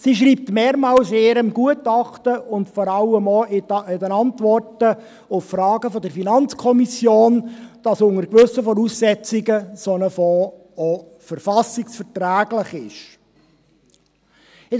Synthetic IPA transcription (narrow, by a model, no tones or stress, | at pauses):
siʃ̬ɾiːp̚tmeːɾmɑːlseːɾəmɡ̥uətɑχtəʊntfɔɾɑləmɔɪɪdənɑntʋɔrtə | ʊffrɑːɡəfɔdəɾfinɑnt͡skʰɔmisjoːnd̥ɑsʊŋəɾkʋɵsːəfɔɾuːssɛt͡sɪɡəsonəfo | ɔ | fəɾfɑsɪksfəɾtɾæːɡlɪχɪʃ | ɪ